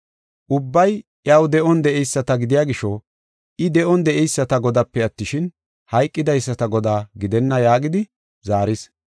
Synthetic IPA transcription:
ʔʊbːɐjʔjɐwd̪ɛʔɔnd̪ɛʔɛjsːɐt̪ɐɡɪd̪ɪjaːɡɪʃɔ | ʔɪd̪ɛʔɔnd̪ɛʔɛjsːɐt̪ɐɡɔd̪ɐpːɛɐt̪ːɪʃɪn | hɐjkʼːɪd̪ɐjsːɐt̪ɐɡɔd̪aːɡɪd̪ɛnːɐjaːɡɪd̪ɪ | zaːɾɪs

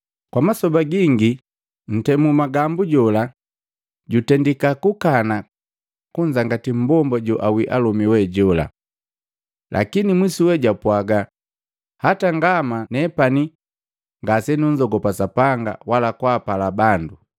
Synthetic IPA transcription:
kwamasɔbaɡiŋɡi | n̩tɛmumaɡambuɟɔla | ɟutɛndikakukana | kuɲd͡ʒaŋɡatim̩bɔmbɔɟɔʔawiʔalɔmiwɛɟɔla̰ | lʔa̰kinimwisuwɛɟapwaɡa | hataŋɡamanɛpani | ŋɡasɛnuɲd͡ʒɔɡɔpasapaŋɡa̰walakwaːpalabandu

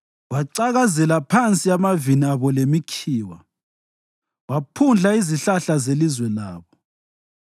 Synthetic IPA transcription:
waǀaɣazɛlapʰant͡sʼiamaviniaβɔlemikʰiːwa̰ | wapʰund͡ɮʱaiziɬaɬazelizwɛlaːβɔ

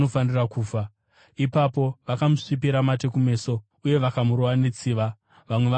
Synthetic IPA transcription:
nofanirakuːfa | ipapo̞ʋakamuʂip̬iɾamat̬e̞kume̞ːso̞ | uje̞ʋakamuɾowanet͡siːʋa | ʋamwe̞ʋa

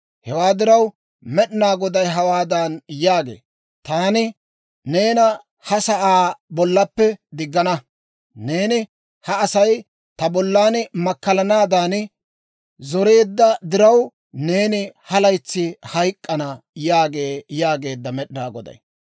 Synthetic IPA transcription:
hɛwaːd̪ɪɾɐw | mɛɗɪnaːɡɔd̪ɐjɦɐwaːd̪aːnjaːɡe̞̰ː | t̪aːnɪ | ne̞ːnɐ | hɐsɐʔaːbɔlːɐpːɛd̪ɪɡːɐnɐ | ne̞ːnɪ | hɐːsɐj | t̪ɐbɔlːaːnmɐkːɐlɐnaːd̪aːn | zɔɾe̞ːd̪ːɐd̪ɪɾɐw | ne̞ːnɪhɐlɐjt͡sːɪhɐjkʼːɐnɐjaːɡe̞ːjaːɡe̞ːd̪ːɐmɛɗɪnaːɡɔd̪ɐ̰j

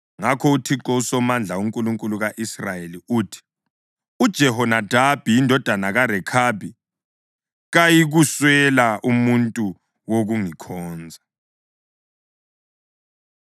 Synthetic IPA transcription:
ŋakʰɔutʰiǁɔusɔmand͡ɮʱauŋkʼuluŋkʼuluɣaʔisrajeliuːtʰi̥ | ud̥ʒ̥ʱɛɦɔnad̥ʱab̥ʱijindʱɔd̥ʱanaɣaɾɛkʰabʱi | ɣajiɣuswɛlaʔumuntʼu | woɣuŋikʰɔːnd͡zʱa

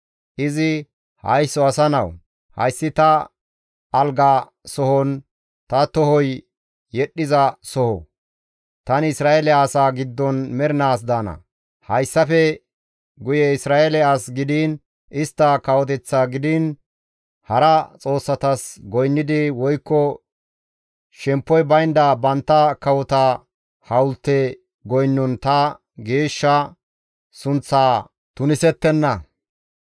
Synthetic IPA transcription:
ʔɪzɪ | hɐ̰jsːɔɐsɐnɐw | hɐ̰jsːɪt̪ɐ | ʔːlɡa | sɔhɔn | t̪ɐt̪ɔhɔj | jɛɗːɪzɐsɔhɔ | t̪ɐnɪsɾaːelɛaːsaːɡɪd̪ːɔnmɛɾɪnaːs̬d̪aːnɐ̰ | hɐjsːɐfɛ | ɡʊjɛɪsɾaːelɛaːsɡɪd̪iːn | ɪst̪ːɐkɐwɔt̪ɛt͡sːaːɡɪd̪ɪn | hɐɾɐt͡sʼo̞ːsːɐt̪ɐsɡɔjnːɪd̪ɪwɔjkːɔ | ʃɛmpːɔjbɐjnd̪ɐbɐnt̪ːɐkɐwɔt̪ɐ | hɐwʊlt̪ːɛ | ɡɔjnːɔnt̪ɐ | ɡe̞ːʃːɐ | sʊnt͡sːaː | t̪ʊnɪsɛt̪ːɛnːɐ

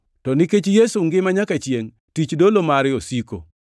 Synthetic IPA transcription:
tɔnɪket͡ʃjesuŋɡɪmaɲakat͡ʃjeŋ | tit͡ʃdolomaɾɪosiko̰

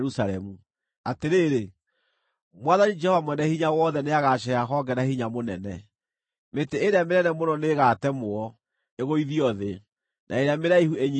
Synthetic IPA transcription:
ɾusalɛmu | ateɾeːɾe | mwaðanid͡ʒɛhɔvamwɛnɛhiɲawɔðɛneaɣaʃ̬ɛaɦɔɡɛnahiɲamonɛnɛ | meteeɾeamenɛnɛmonɔneɣatɛmoɔ | eɣoiðiɔðe | nʔa̰eɾeameɾaihueɲ

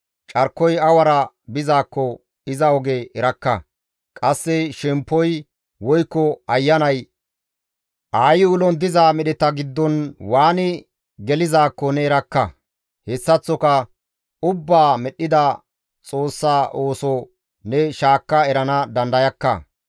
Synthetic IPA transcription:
t͡ʃʼɐɾkːɔjɐwɐɾɐ | bɪzaːkːɔ | ɪzɐɔɡɛɛɾɐkːɐ | kʼɐsːɛʃɛmpːɔj | wɔjkːɔɐjːɐnɐj | ʔaːjɪʊlɔnd̪ɪzaːmɛɗɛt̪ɐɡɪd̪ːɔnwaːnɪ | ɡɛlɪzaːkːɔnɛɛɾɐkːɐ | hɛsːɐt͡sːɔkɐ | ʊbːaːmɛɗːɪd̪ɐ | t͡sʼo̞ːsːaːʔo̞ːsɔ | nɛʃaːkːɐɛɾɐnɐd̪ɐnd̪ɐjɐkːɐ̰

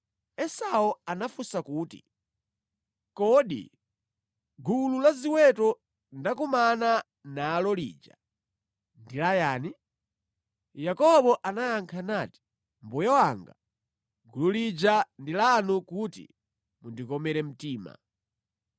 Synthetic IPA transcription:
ɛsaɔanafusakuːtḭ | kɔːɗḭ | ɡululaziwɛtɔ | ndakumana | naːlɔlḭːd͡ʒa̰ | ndilajaːni | jakɔɓɔʔanajaŋkʰanati̥ | mbujawaŋɡa̰ | ɡululid͡ʒandilanukutḭ | mundikɔmɛɾɛm̩tiːma̰

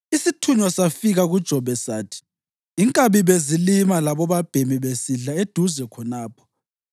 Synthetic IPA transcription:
isitʰuɲwasafiɣaɣud̥ʒ̥ʱɔβɛsaːtʰi̥ | iŋkʼaβiβezilimalaβɔβab̥ʱemiβesiɮaed̥ʱuzɛkʰɔnaːpʰɔ̥

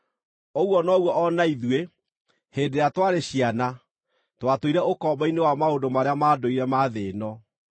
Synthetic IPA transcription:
ɔɣwɔnɔɣwɔʔɔnaiðwe | hedeɾatwaɾeɕiana | twatoiɾɛokɔbainewamaondomaɾeamadoiɾɛmaðeːnɔ

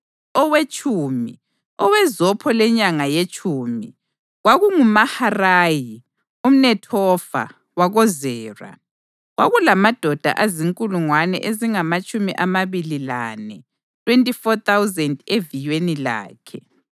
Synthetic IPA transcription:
ɔwet͡ʃʼuːmi | ɔwɛzɔpʰɔlɛɲaŋajet͡ʃʼuːmi | ɣwaɣuŋumaharaːji | um̩nɛtʰɔfa̰ | waɣɔzɛːra̰ | ɣwaɣulamad̥ʱɔd̥ʱa̰ʔaziŋkʼuluŋwanɛ̰ʔeziŋamat͡ʃʼumiʔamaβililanɛ | tʰʼwentʼifɔt̪awuzɛndevijwenila̰ːkʰɛ

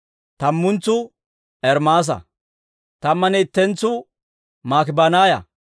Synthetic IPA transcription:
t̪ɐmːʊnt͡sːʊ | ɛɾmaːs̬ɐ̰ | t̪ɐmːɐnɛːt̪ːɛnt͡sːʊ | maːkɪbanaːjɐ̰

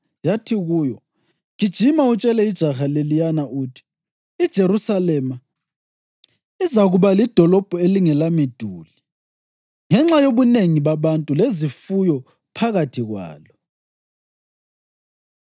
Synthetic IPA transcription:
jatʰiɣuːjɔ | kid̥ʒ̥ʱimaut͡ʃʼɛlɛid̥ʒ̥ʱaxalelijanaʔuːtʰi̥ | id̥ʒ̥ʱeɾusalɛma | izaɣuβalid̥ʱɔlɔb̥ʱɔeliŋɛlamid̥ʱuːli | ŋɛŋ͡ǁajoβuneŋiβaβantʼulezifujɔ | pʰaɣatʰiɣwa̰ːlɔ

